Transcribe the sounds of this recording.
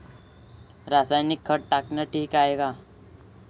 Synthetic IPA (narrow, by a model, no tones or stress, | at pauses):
ɾaːsaːjnɪkʰːəʈʈaːknaʈʰiːkaːeːɡaː